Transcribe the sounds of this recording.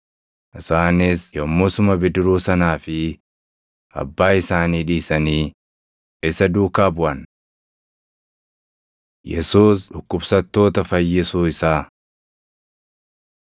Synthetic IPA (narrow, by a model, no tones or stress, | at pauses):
ʔɪsaːnɪsjɔmːɔsʊmɐbɪd̪ɾuːsɐnaːfɪ | ʔɐ̰bːaːɪsaːniːᶑiːsɐniː | ɪsɐd̪uːkaːbʊʔɐn | jɛsuːsᶑʊkːʊbsɐt̪ːo̞ːt̪ɐfɐjːɪsuːɪsaː